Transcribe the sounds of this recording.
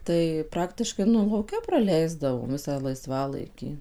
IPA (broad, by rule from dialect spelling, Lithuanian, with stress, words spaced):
tɐɪ ˈprɑːktʲɪʃkɐɪ ˈnʊ lˠɐʊˈkʲɛ prɐˈlʲɛɪzdɐʋoːm ˈʋʲɪsɑː lˠɐɪˈsʋɑːlˠɐɪkʲiː